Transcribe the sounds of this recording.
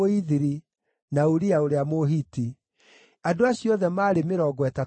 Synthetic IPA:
oiðiɾi | naoɾiaoɾeamoɦiti | adoaɕjɔðɛmaːɾemeɾɔɡwɛta

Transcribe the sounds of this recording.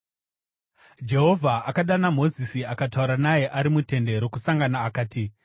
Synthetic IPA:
d͡ʒe̞ɦo̞vʱaʔakaɗanamo̞zisiakatauɾanaje̞ʔaɾimute̞nde̞ɾo̞kusaŋɡanaːkaːti

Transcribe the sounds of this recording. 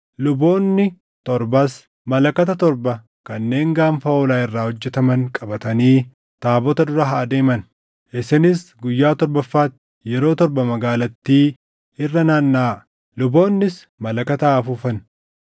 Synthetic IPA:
lʊbo̞ːnːɪ | t̪ɔɾbɐs | mɐlɐkɐt̪ɐt̪ɔɾbɐ | kɐnːe̞ːŋɡaːɱfɐoːlaːɪrːaːhɔd͡ʒːɛt̪ɐmɐŋkʼɐbɐt̪ɐniː | t̪aːbɔt̪ɐd̪ʊɾɐɦaːd̪e̞ːmɐn | ʔɪsɪnɪsɡʊjːaːt̪ɔɾbɐfːaːt̪ | jɛɾo̞ːt̪ɔɾbɐmɐɡaːlɐt̪ːiː | ɪrːɐnaːnːaː | lʊbo̞ːnːɪs | mɐlɐkɐt̪aːfufɐn

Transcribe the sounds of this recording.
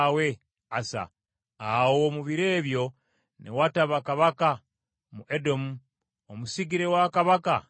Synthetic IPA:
we̞ | asa̰ | awoːmuβiɾe̞ːβjo̞ | nʔḛwataβakaβaka | muʔedo̞mu | omusiɡiɾe̞wakaβaka

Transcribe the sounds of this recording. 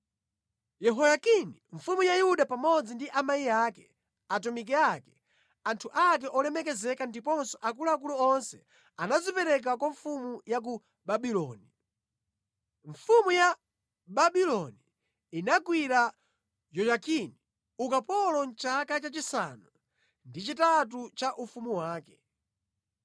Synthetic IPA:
jɛɦɔjakiniɱfumujajuɗapamɔd͡zindiʔamaijakɛ | atɔmik̬ɛakɛ̥ | antʰuʔak̬ɛʔɔlɛmɛkɛzɛkandipɔnsɔʔak̬ulaːk̬uluɔnsɛ̰ | anazipɛɾɛk̬akwaɱfumujak̬u | ɓaɓilɔ̰ːni | ɱfumuja | ɓaɓilɔni | inakwiɾa | jɔjakini | ukapɔlɔnt͡ʃakat͡ʃat͡ʃisanu | ndit͡ʃitat̬ut͡ʃaʔufumuwaːkɛ̥

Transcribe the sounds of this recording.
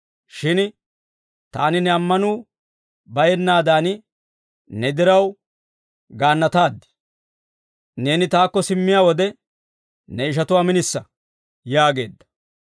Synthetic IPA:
ʃɪn | t̪a̰ːnɪnɛɐmːɐnuː | bɐjɛnːaːd̪aːn | nɛd̪ɪɾɐw | ɡaːnːɐt̪aːd̪ːɪ̥ | ne̞ːnɪt̪aːkːɔsɪmːɪjaːwɔd̪ɛ | nɛɪʃ̬ɐt̪ʊwaːmɪnɪsːɐ | jaːɡe̞̰ːd̪ːɐ̥

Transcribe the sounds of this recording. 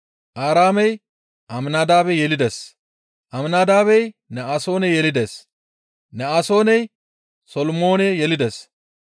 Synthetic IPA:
ʔaːɾaːmɛj | ʔɐmnaːd̪aːbɛjɛlɪd̪es | ʔɐmnaːd̪aːbɛjnɛaːso̞ːnɛjɛlɪd̪es | nɛaːso̞ːnɛj | sɔlmo̞ːnɛjɛlɪd̪es

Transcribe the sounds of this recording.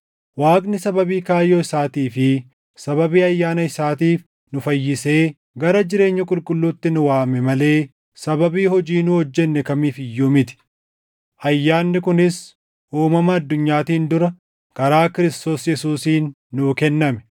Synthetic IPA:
waːɡnɪsɐbɐbiːkaːjːoːɪsaːt̪iːfɪ | sɐβɐbiːɐjːaːnɐɪsaːt̪iːf | nʊfɐjːɪse̞ː | ɡɐɾɐd͡ʒɪɾe̞ːɲːɐkʼʊlkʼʊlːuːt̪ːɪnʊwaːmɛmɐle̞ː | sɐbɐbiːhɔd͡ʒiːnʊhɔd͡ʒːɛnːɛkɐmiːfɪjːuːmɪt̪ɪ̥ | ɐjːaːnːɪkʊnɪs | ʔuːmɐmɐːd̪ːʊɲːaːt̪iːnd̪ʊɾɐ | kɐɾaːkɪɾɪst̪o̞ːsjɛsuːsiːnː | ʊkɛnːɐmɛ̥

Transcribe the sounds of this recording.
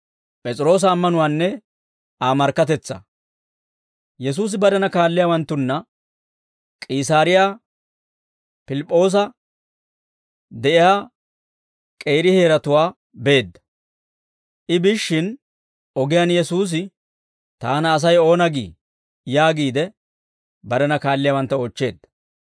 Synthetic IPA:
pʼɛt͡sʼɪɾo̞ːs̬ɐːmːɐnʊwaːnːɛ | aːmɐɾkːɐt̪̬ɛt͡sːɐ̰ | jɛsuːs̬ɪbɐd̪ɐnɐkaːlːɪjawɐnt̪ːʊnːɐ | kʼiːsaːɾɪja | pɪlɪpʼːo̞ːs̬ɐ | d̪ɛʔɪjaː | kʼe̞ːɾɪhe̞ːɾɐt̪ʊwaː | be̞ːd̪ːɐ̥ | ʔɪbɪʃːɪn | ɔɡɪjanjɛsuːs̬ɪ | t̪aːnɐːs̬ɐjo̞ːnɐɡḭː | jaːɡiːd̪ɛ | bɐɾɛnɐkaːlːɪjaːwɐnt̪ːɐoːt͡ʃːe̞ːd̪ːɐ̥

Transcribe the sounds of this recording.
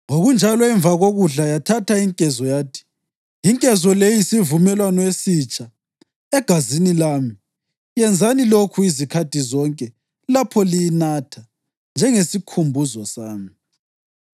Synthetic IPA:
oɣund͡ʒʱalɔɛɱvaɣoɣuɮajatʰatʰaiŋkʼɛzɔjaːtʰi̥ | iŋkʼɛzɔlejisivumɛlwanɔwesit͡ʃʼa | ɛɡ̥ʱazinilaːmi | jɛnd͡zʱanilokʰuizikʰatizɔŋkʼɛ | lapʰɔlijinatʰa | nd͡ʒʱɛŋesikʰumbʱuzɔsaːmi

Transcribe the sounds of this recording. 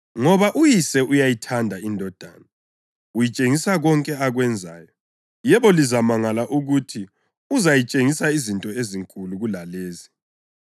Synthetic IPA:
ŋɔβaʔujisɛʔujajitʰandʱaindʱɔd̥ʱa̰ːna | ujit͡ʃʼeŋisaɣɔŋkʼɛaɣwɛnd͡zʱa̰ːjɔ | jɛβɔlizamaŋalaʔuɣutʰi | uzajit͡ʃʼeŋisaizintʼɔeziŋkʼuluɣulaleːzi

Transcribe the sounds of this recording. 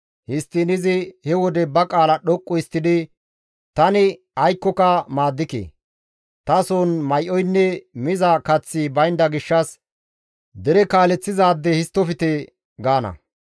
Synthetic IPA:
hɪst̪ːɪnɪzɪhɛwɔd̪ɛbɐkʼaːlɐɗɔkʼːɔɪst̪ːɪd̪ɪ | t̪ɐnɪ | ɐjkːɔkɐmaːd̪ːɪkḛ | t̪ɐsoːnmɐjʔɔjnːɛmɪzɐkɐt͡sːibɐjnd̪ɐɡɪʃːɐs | d̪ɛɾɛkaːlɛt͡sːɪzaːd̪ːɛhɪst̪ːɔfɪt̪ɛ | ɡaːnɐ̰

